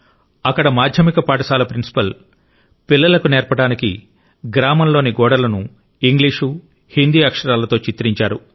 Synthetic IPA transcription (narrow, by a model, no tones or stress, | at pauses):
ɐkːɐɽɐmaːd̪ʱjɐmikɐpaːʈɐsaːlɐpɾinsi̥pɐl | pilːɐlɐkunɛːɾpɐʈaːnikḭ | ɡɾaːmɐmlo̞ːniɡɔːɽɐlɐnu | iŋɡliːʂu | hind̪iːɐkʂɐɾaːlɐt̪o̞ːt͡ʃit̪ɾiɲt͡ʃaːɾu